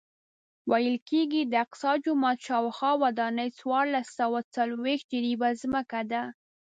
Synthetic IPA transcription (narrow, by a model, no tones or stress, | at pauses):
wajəlkeɡid̪əɪq̪̚sɑd͡ʒʊmɑt̪ʃɑwxɑwad̪ɑnəjt͡swɑɾlasːawat͡salwex̚d͡ʒəɾibazməkad̪a